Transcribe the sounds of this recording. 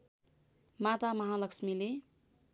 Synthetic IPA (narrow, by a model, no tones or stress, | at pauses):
mat̪amʌɦalʌksmile